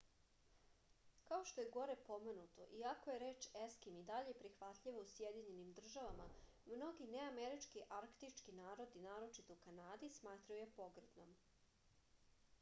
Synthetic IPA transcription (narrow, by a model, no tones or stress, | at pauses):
kaoʃt̪o̞jeɡo̞ɾepo̞me̞nut̪o̞̰ʔiako̞jeɾeːt͡ʃeskimid̪aʎeepɾixʋat̪ʎiʋousjed̪iɲe̞nimd̪r̩ʒaʋama | mno̞ɡineameɾit͡ʃkiʔaɾkt̪it͡ʃkinaːɾo̞d̪inaːɾo̞t͡ʃit̪oukanaːd̪ismaːt̪ɾaojepo̞ɡɾed̪nom